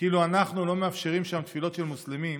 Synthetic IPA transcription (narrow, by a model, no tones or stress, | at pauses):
kiːluanaχnulo̞meafʃe̞ʁimʃamt̪filo̞t̪ʃelmuslemim